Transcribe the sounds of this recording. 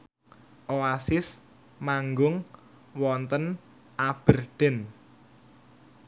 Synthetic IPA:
ʔoasɪs | maŋɡʊŋ | wɔnt̪ən | ʔab̥ərɖ̪̥ɛn

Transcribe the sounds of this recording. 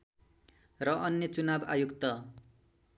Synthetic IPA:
rʌʔʌnːjʌt͡sunaba̰jukt̪ʌ

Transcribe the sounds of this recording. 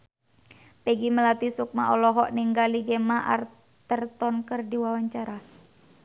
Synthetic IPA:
pɛɡiməlat̪isuk̚maʔɔlɔɦɔʔniŋɡaliɡemaʔa̰r | t̪ərt̪ɔnkərdiwawaɲt͡ʃaɾa

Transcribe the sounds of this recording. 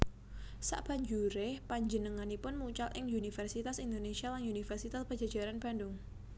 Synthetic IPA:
sa̰ʔb̥a̤ɲd͡ʒuɾepaɲd͡ʒənəŋanipʊnmut͡ʃalʔɪŋunifɛrsit̪asind̪onesialanunifɛrsit̪aspə̥ʒ̥a̤̥d͡ʒ̥a̤ɾanb̥a̤ndʊŋ

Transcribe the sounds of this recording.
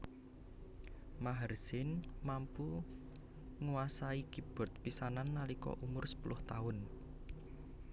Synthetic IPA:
maɦərsɪnmampu | ŋuwasaiɡ̥ib̥ɔ̤t̪̚pisananːalikɔ̰ʔumʊrsə̥pulʔʊht̪aʊn

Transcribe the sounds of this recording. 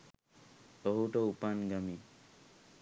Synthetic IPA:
ɔɦuʈɔupanɡami

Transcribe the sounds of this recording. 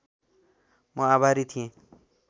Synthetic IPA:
mʌabʱaɾit̪ʰiẽ

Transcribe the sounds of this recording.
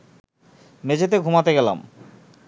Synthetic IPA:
med͡ʑet̪̬eɡʱumat̪eɡɛla̰m

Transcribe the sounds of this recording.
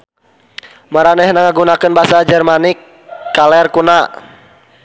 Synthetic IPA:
maɾanɛhnaŋaɡunakɨnbasad͡ʒɛrmanikː | alɛrkuna

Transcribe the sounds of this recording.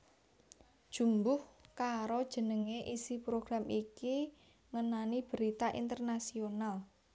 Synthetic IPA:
d̥ʒ̥umbʊhkaɾod̥ʒ̥ə̤nəŋeʔisipɾoɡ̥ɾamiki | ŋənanib̥əɾit̪aʔḭnt̪ərnasional

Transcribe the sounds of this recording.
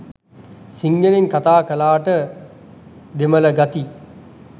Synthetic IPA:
siŋɡəleŋkat̪aːkəlaːʈə | d̪emələɡat̪i

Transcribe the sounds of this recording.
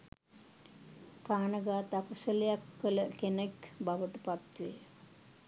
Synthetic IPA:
kaːnəɡaːt̪akusəlejakːələkenəkbaʋəʈəpat̪ːij

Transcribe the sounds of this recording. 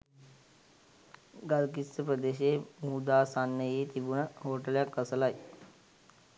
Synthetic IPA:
ɡaɾkist̪əpɾəd̪eɕemud̪asanːəjet̪ibuɳɦoʈljakəslaj

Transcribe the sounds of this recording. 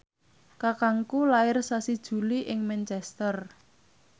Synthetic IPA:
kakaŋkulaɪrsasid̥ʒ̥ṳliʔɪŋmɛnt͡ʃɛst̪ər

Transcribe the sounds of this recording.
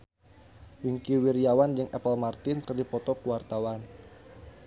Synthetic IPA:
wiŋkiwiriawand͡ʒɨŋɛpəlmart̪ɪnkərdipɔt̪ɔkuwart̪awan

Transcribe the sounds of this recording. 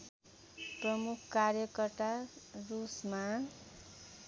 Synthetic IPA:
prʌmukʰkarjʌkʌrt̪arusma

